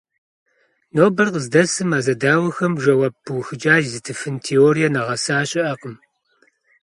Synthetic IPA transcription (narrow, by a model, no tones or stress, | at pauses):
noːbɐrqəzdɐsɨmaːzɐdaːwɐxɐmʒɐwabɨwxɨd͡ʒaːzɨtʰɨfɨntʰeːoːɾijɐnɐʁɐsaːɕʼɪʔɐqəm